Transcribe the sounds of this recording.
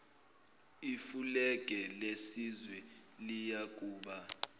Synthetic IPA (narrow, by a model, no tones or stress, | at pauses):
ifulɛk̬ʼɛlesizwɛlijak̬ʼuːɓa